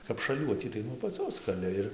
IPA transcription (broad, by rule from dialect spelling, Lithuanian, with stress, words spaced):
kɐp ʃɐˈlʲuɔtʲiː tɐɪ nuɔ ɐpɐˈt͡sʲoːs kɐˈlʲɪ ɪr